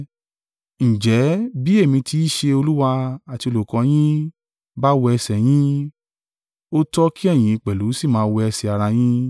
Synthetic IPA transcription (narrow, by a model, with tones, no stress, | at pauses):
n̩˨d͡ʒɛ˨˦bi˦e˦˨mĩ˧ti˧˦i˦ʃe˧o˧lu˦wa˧a˨ti˧o˧lo˨kɔ̃˨˧˦j̃ĩ˦ | ba˦wɔ˧ɛ˧sɛ˨j̃ĩ˦ | o˦tɔ˦ki˦ɛ˦˨j̃ĩ˨˧i˧k͡pɛ˨lu˨˦si˦˨mãː˧˦˧wɔ˧ɛ˧sɛ˨a˨ɾa˧j̃ĩ˦